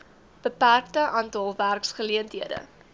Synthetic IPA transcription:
b̥əpærktəʔɑːntɑlˠværksχəliəntɦiədə̰

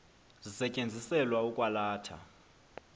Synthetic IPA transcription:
zisɛcʼend͡zʱisɛlwaukʼwalaːtʰa̰

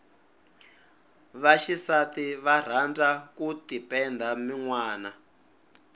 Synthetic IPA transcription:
βaʃisatiβar̤and͡zakutipɛnd̪ʱamiŋwaːna

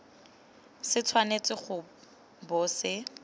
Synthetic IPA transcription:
sɪt͡sʰwanet͡sʼɪχʊ | bʊːsɪ

